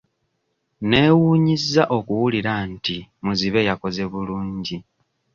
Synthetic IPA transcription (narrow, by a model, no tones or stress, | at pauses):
ne̞ːwuːɲizːaʔo̞kuwuliɾantimuziβe̞jako̞ze̞βuluːɲɟi